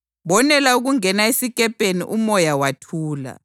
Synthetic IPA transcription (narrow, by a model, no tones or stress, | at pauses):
ɓɔnɛlauɣ̬uŋɛnaesik̬ʼɛpʼenḭʔumɔjawatʰuːla̰